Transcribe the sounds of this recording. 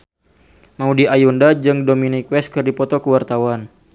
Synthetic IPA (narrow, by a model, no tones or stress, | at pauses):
maudiajɔndad͡ʒɨŋdominikwɛskɨrdipɔt̪ɔkəwart̪awan